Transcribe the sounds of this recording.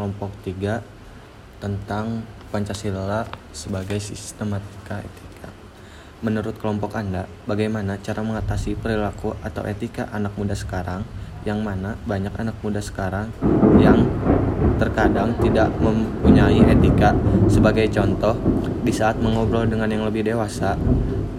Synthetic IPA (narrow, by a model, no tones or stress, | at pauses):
lɔmpɔk̚t̪iɡa | t̪ənt̪aŋpaɲt͡ʃasiləla | səbaɡajsist̪əmat̪i̥kaḛt̪ikʰa | mənuɾʊt̪̚kəlɔmpɔkanda | baɡajmanat͡ʃaɾaməŋat̪asipəɾilakuʔat̪a̰wʔet̪ikaʔanak̚mudasə̥kaɾaŋ | jaŋmanabaɲakanak̚mudasə̥kaɾaŋjaŋ | t̪ərkadaŋt̪idaʔməmpuɲaiʔet̪ikasəbaɡajt͡ʃɔnt̪ɔh | disaːt̪̚məŋɔbɾɔldəŋanjaŋləbɪhdewasa